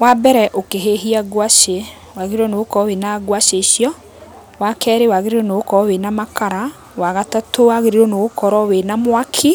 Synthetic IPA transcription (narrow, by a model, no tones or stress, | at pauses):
wabɛɾɛʔokeɦeɦiaɣwaʃe | waɣeɾiɾonookɔwenaɡwaʃeʃjɔ | wakʰɛːɾewaɣeɾiɾonoɣokɔɾɔwenamakʰaɾa | waɣatatʰowaɣeɾiɾonoɣokɔɾɔwenamwakʰi